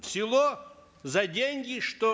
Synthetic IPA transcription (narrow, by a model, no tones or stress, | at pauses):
fsʲɪlˠo | zɐdʲenʲɡʲɪʂt̪o